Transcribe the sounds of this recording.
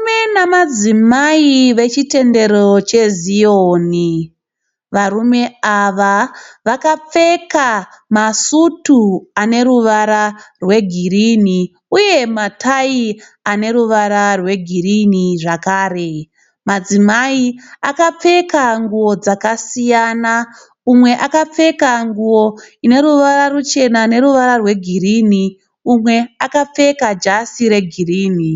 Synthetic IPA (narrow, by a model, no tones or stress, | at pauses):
menamad͡zimaiʋe̞t͡ʃite̞nde̞ɾo̞t͡ʃe̞zioːni | ʋaɾume̞aʋaʋakap͡fe̞ka | masutuane̞ɾuʋaɾarwe̞ɡʱirini | uje̞matʰai | ane̞ɾuʋaɾarwe̞ɡʱiriniʐakaːre̞ | mad͡zimaiakap͡fe̞kaŋɡuwo̞d͡zakasijana | umwe̞ʔakap͡fe̞kaŋɡuwo̞ine̞ɾuʋaɾarut͡ʃe̞nane̞ɾuʋaɾarwe̞ɡʱiriːni | umwe̞akap͡fe̞kad͡ʒasiɾe̞ɡʱiriːni